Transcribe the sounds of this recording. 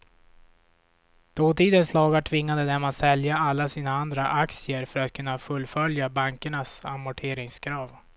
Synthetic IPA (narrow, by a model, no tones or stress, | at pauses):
d̪̥oːt̪ʰiːd̪ənslɑːɡaʈʰvɪŋːad̪əd̪æmat̪sɛljaalːasiːnaand̪ɾaʔaksɪəɾfœɾat̪̚kʰɵnːafɵlːfœljabaŋkəɳasa̰mʊʈʰeːɾɪŋskʰɾɑːv